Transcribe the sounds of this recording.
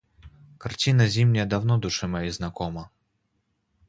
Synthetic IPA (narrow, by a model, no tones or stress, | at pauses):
kart͡sʲinɐzʲimnʲɐjɐd̪awnɔd̪uʂɨmɐjiznakɔmɐ